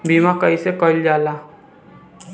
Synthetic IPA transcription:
bimãkəisekəld͡ʒaːlaː

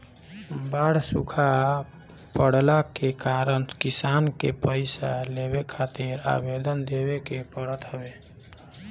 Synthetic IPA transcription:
baɽsukʰa | pəɽlakekaɾənkisankepəɪsaleβekʰat̪iɾa̰bed̪ənd̪ebekepəɾət̪ɦəbe

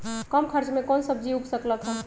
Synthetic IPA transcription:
kəmkʰəɾt͡ʃmẽkonsəb̚ʱd͡ʒiukʰsəkləkɦə

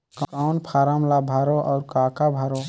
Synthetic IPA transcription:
kkaʊnpʰaɾamlabʱaɾoʔɔʊɾkakabʱaɾo

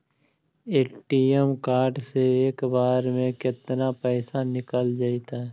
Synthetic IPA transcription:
eːʈiɛmkaːɾɖseeːkbaːɾmẽkɪt̪napɛːsanɪkəld͡ʒaːit̪aɦɛ

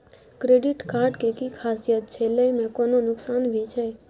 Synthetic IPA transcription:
kɾeɖiʈkaɾɖkekikʰasijət̪̚t͡ʃʰeləmɛ̃kononʊksanʋʱit͡ʃʰe

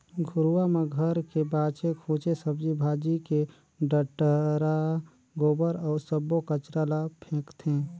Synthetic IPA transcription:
ɡʱʊɾwameɡʱəɾkebaːt͡ʃekʰut͡ʃesəbd͡ʒibʱaːd͡ʒike | ɖəʈəɾa | ɡoːbəɾɔːɾsəbokət͡ʃɾalapʰẽːkt̪ʰẽː

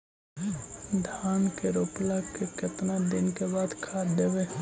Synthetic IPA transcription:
d̪ʱaːnkeɾoːplakekɐt̪nad̪ɪnkebaːd̪kʰaːd̪eːʋe

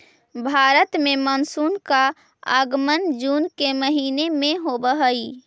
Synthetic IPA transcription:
bʱaːɾət̪mẽmənsuːnka | ə̰ɡmənd͡ʒuːnkeməɦiːnemẽɦobəɦəi

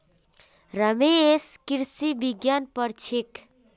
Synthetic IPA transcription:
ɾəmeːskiɾsibiɡjanpəɾt͡ʃʰik

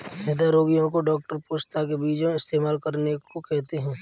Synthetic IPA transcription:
ned̪aɾoːɡijõk̬oɖɔːk̚ʈəɾpʊʃt̪akebiːd͡ʒõɪst̪eːmaːlkɐɾnekokɛɦt̪eɦɛ̃ː

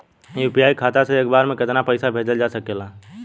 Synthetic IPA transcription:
juːpijaːikʰaːt̪aseeːkbaːɾmẽkɪt̪napɛɪsabʱeːd͡ʒəld͡ʒaːsɐkeːlaː

